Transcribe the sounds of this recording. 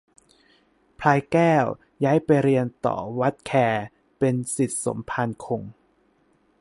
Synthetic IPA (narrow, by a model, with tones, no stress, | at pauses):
pʰlaː˧jkɛː˥˩w | jaː˦˥jpa˧jɾi˧ənt̪ɔ̰ː˨˩wa˦˥t̪̚kʰɛː˧ | pe˧nsi˨˩t̪̚so̰˩˦mpʰa˧nkʰo˧ŋ